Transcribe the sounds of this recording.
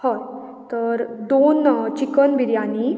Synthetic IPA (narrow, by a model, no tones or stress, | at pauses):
hət̪ | t̪ːəɾd̪ont͡ɕikənbiɾjani